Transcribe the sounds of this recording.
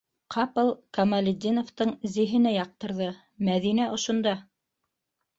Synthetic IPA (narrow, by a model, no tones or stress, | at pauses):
qʰɑpɤlˠkɐmɐlʲɪd̪ʲinŏft̪ɤɴzĭɦɘ̆næjɑq̚t̪ɤ̆ɾðɤ | mæðinæŏʃŏnd̪ɑ